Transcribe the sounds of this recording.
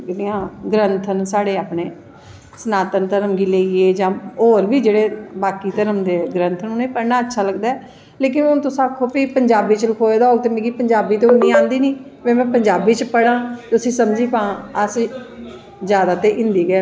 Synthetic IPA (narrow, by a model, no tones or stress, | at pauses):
d͡ʒeɽiãːɡɾənt̪ʰənsaːɽeːaːpneː | sənaːt̪ənt̪əɾəmɡiːleːieːd͡ʒãːoːɾʋiːd͡ʒeːɽeːbaːkiːt̪əɾəmd̪eːɡɾənt̪ʰənʊnẽːpəɾnaːətːʃʰaːləɡd̪aːɛː | leːk̬ɪnʊnt̪ʊsãːkʰoːpiːpəɲd͡ʒaːbiːt͡ʃələkʰoːed̪aːɦoːɡ̚t̪eːmẽːɡiːpəɲd͡ʒaːbiːt̪eːnĩːãːnd̪iːnĩːmɛ̃ːmɛ̃ːpəɲd͡ʒaːbiːt͡ʃpəɽãːt̪ːʊsĩːsəmd͡ʒiːkãːəs | d͡ʒjaːd̪aːt̪eːʔɪ̃nd̪iːɡ